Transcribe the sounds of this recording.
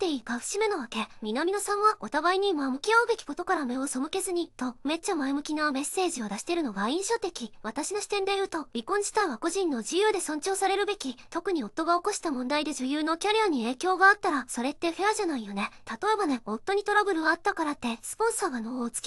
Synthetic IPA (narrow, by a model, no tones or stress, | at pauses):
t̪e̞iːkaɸɯ̟̥ɕime̞no̞βake̞mʲinamʲinosãɰ̃βaot̪abaiɲ̟imamɯ̟kʲiaɯ̟be̞kʲi̥ko̞t̪o̞kaɾame̞o̞so̞mɯ̟ke̞zɨɲ̟it̪o̞me̞t͡ɕːamaemɯ̟kʲiname̞se̞ːʑio̞d̪aɕi̥t̪eɾɯ̟no̞ɡaĩɰ̃ɕo̞t̪e̞kʲiβat̪aɕino̞ɕi̥t̪ẽ̞nd̪e̞jɯ̟ːt̪o̞bʲikõ̞ɲʑi̥t̪aβako̞ʑĩnːo̞ʑɨjɯːd̪e̞sõ̞ɲ̟t͡ɕo̞ːsaɾe̞ɾɯ̟be̞kʲit̪o̞kɯ̟ɲ̟io̞t̪ːo̞ɡao̞ko̞ɕi̥t̪amõ̞nd̪aid̪e̞ʑɨjɯːno̞kʲaɾʲiaɲ̟ie̞ːkʲo̞ːɡaːt̪ːaɾaso̞ɾe̞t̪ːe̞ɸe̞aʑanaijo̞ne̞t̪at̪o̞e̞bane̞o̞t̪ːo̞ɲ̟it̪o̞ɾabɯ̟ɾɯ̟at̪ːakaɾat̪ːe̞sɨ̥põ̞ɰ̃saːɡanot͡sɨ̥kʲ